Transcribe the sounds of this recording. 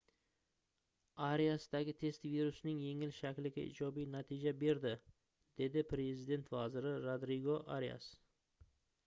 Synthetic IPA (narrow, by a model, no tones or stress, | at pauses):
aɾijasɪd̪aɡʲɪt̪ʰe̞st̪viɾʊsnɪŋje̞ŋɪlʃakʲlɪɡʲaɪ̰d͡ʒɒbijnat̪ʰid͡ʒabe̞ɾd̪ɪ | d̪̥e̞d̪ɪpʰɾe̞zɪd̪e̞nt̪vazɪɾɪɾod̪ɾɪɡoʔaɾja̰s